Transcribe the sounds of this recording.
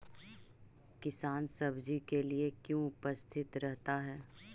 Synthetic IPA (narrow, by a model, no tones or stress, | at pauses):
kɪsaːnsɐbd͡ʒikeliekjõʊpəst̪ʰɪt̪ɾɛɦt̪aɦɛː